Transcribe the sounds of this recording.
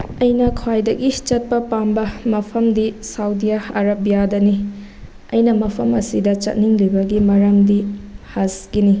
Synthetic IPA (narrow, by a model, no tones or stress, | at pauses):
ɐjnɐkʰwajdɐɡit͡ʃɐt̚pɐpambɐmɐpʰɐmdisawdijaɐɾɐbijadɐni | ɐjnɐmɐpʰɐmɐsidɐt͡ʃɐ̰t̚niŋlibɐɡimɐɾɐmdihaskini